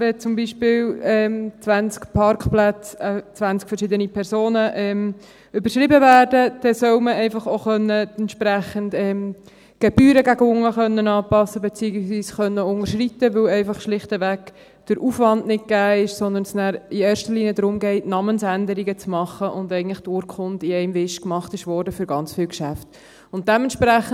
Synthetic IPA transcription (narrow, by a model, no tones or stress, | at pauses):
ʋɛt͡sʊmbiʃpɪːlɛːmt͡sʋænt͡skpʰɑɾkχplæt͡sət͡sʋænt͡skfəɾʃɪd̪ənipʰɛɾsoːnəʔɛːm | ʏbəɾʃʁɪbəvæːɾdəd̥ɛsœʊməɛɪfɑχoχœnːəɛntʃpɾæχəndɛːm | ɡ̥eb̥yːɾəɡæɡəʊŋːəχœnːənɑːpɑsːəbet͡siːəɡisʋiːsχœnːəʊŋəɾʃritːəʋɵwɛɪfɑχʃlɪχtəʋæk | d̥əɾʔuːfʋɑndnɪt̚ɡ̥æːɪʃsɔnd̪ənsnæːɾieːɾʃtəɾliːnijədɾʊmɡɛɪtnɑːmənsændəɾiɡət͡smɑχəʔʊndɛɪɡən̩lɪχd̥ʊɾkχʊntiɛɪmvɪʃkmɑχtɪʃʋɔɾdəfʏɾɡɑnt͡sfɪːlwkʃæft | ʊnt̚d̥ɛmɛntʃpɾæχ